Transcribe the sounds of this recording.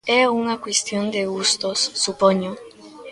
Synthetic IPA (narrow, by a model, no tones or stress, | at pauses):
ɛuŋakwest̪jond̪eɣust̪osːupoɲo